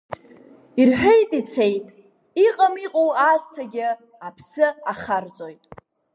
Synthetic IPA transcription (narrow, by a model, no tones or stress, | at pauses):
irħᶣejtʼit͡sʰejtʼ | iqʼamiqʼowaːstʰaɡʲɪ | apʰsɨaχart͡sʼojtʼ